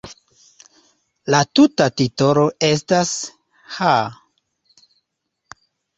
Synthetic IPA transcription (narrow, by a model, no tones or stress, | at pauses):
latutatito̞ɾo̞e̞s̬tas | ha